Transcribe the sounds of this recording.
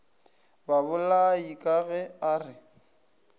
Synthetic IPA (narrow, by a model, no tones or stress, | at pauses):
babʊlaikʼaɣɛarɪ